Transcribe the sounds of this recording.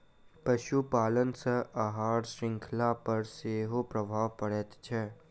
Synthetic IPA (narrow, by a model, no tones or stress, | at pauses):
pɐʃupaːlənsəʔɐɦaːɾʃɾɪ̃ŋkʰlapɐɾseːɦopɾəbʱaːʋpɐɽɛːt̪t͡ʃʰɛ